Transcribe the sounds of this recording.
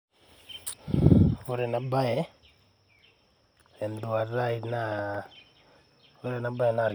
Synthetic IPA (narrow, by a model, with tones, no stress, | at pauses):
o˦ɾɛ˨na˨ba˦ɛ˦ | ɛ˨nd̪u˨a˨ɾa˦i˦na˦ | o˦ɾɛ˨na˨ba˦jɛ˨na˨ɾ